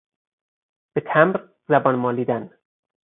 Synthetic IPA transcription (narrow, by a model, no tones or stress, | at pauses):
b̥et̪ʰæmɾ | zæbɒːnmɒːliːd̪æn